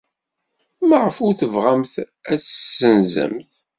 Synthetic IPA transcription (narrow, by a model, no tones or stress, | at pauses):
maʁəfuɾθəvʁæmθ | æt͡sːəsənzə̰mθ